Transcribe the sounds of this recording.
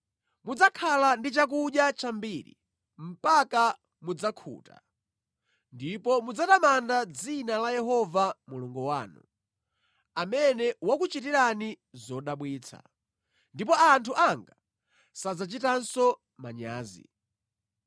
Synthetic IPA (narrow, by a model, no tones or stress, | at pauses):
mud͡zakʰalandit͡ʃak̬uɗjat͡ʃambiːɾḭ | m̩paka | mud͡zakʰṵːta̰ | ndipɔmud͡zatamandad͡zinalajɛɦɔvamuluŋɡuwa̰ːnṵ | amɛnɛwakut͡ʃitiɾani | zɔɗaɓwiːt͡sʰa̰ | ndipɔantʰuʔaŋɡa | sad͡zat͡ʃitansɔ | maɲa̰ːzḭ